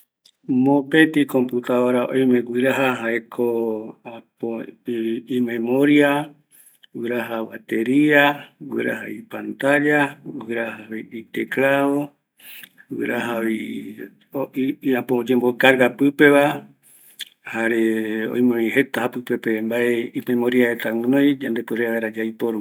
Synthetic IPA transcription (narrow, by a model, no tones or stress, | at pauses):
mõpet̪ikomput̪awaɾaʔõ̰j̃mẽɡʷwɨɾaɦaɦaekʰoapo | ĩmẽmoɾia | wɨɾaɦawat̪eɾiaɡwɨ̰ɾa̰ɦa̰ipant̪ad͡ʒaɡɨɾahaβiit̪ekɾaβo | wɨ̰ɾaɦaβi | apod͡ʒembokaɾɡapɨpe̞βa | haɾeõ̰j̃mẽĩɦe̞t̪ahapɨpe̞pembaeimẽmoɾiaet̪ãnõj̃d͡ʒand̪epeɾeaβaeɾad͡ʒajpoɾu